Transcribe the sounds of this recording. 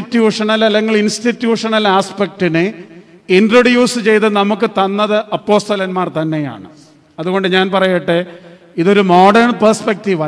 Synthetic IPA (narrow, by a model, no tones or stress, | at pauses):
itːjuːʂɐnɐlɐlːeŋɡilinstitːjuːʂɐnɐlaːspek̚ʈinɨ | indrɐɽjuːsɨt͡ɕe̞jt̪ɨnɐmukːɨt̪ɐnːɐðɨʔɐpːo̞ːst̪ɐlɐnmaːrt̪ɐnːe̞ja̰ːɳɨ | ɐðuɣo̞ɳɖɨɲaːnpɐrɐjeʈːɨ | iðo̞ɾumo̞ːɖɐrɳpɐrspek̚tiʋa